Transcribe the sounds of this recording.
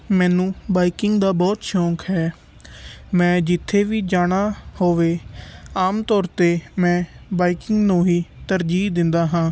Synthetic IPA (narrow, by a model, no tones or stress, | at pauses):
mɛ̃ːnũːbaːiːkɪŋɡd̪aːbɔːt̪ʃɔ̃ːŋkɦɛː | mɛ̃ːd͡ʒɪt̪ʰːeːʋiːd͡ʒaːɽ̃aːhoːʋeːaːmt̪ɔːɾt̪eːmɛ̃ːbaːiːkɪŋɡnũːɦiːt̪əɾd͡ʒiːd̪ɪnd̪aːɦãː